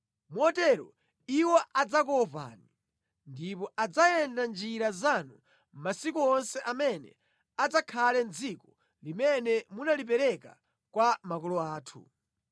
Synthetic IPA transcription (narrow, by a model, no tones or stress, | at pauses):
muɔtɛɾɔ̰ | iwɔʔad͡zakɔpa̰ni | ndipɔʔad͡zajɛndand͡ʒiɾazanu | masikuɔnsɛʔamɛnɛ̰ | ad͡zakʰalɛnd͡zikɔ | limɛnɛmunalipɛɾɛka̰ | kwamakɔlɔaːtʰṵ